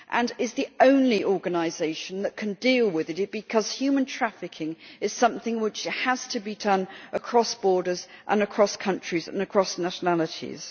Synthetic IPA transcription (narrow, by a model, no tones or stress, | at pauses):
ʔə̃nɪzðiõʊ̃nliʔɔɹɡɨnaɪzeɪʃə̃nðəʔ̚kʰɨ̃ndilˠwɪðɪtɨb̥ɨkʰʌz̥hjʉːmə̃ntʰɹ̥afɪkʰɪ̃ŋɨz̥sʌ̃mθɪ̃ŋwɪt͡ʃəz̥tʰəbidʌ̃nʔəkʰɹ̥ɒsb̥ɔːɾəzʔə̰̃nəkʰɹ̥ɒskʰʌ̃nt͡ʃɹ̥izə̰̃nəkʰɹ̥ɒsnaʃənalətʰḭz̥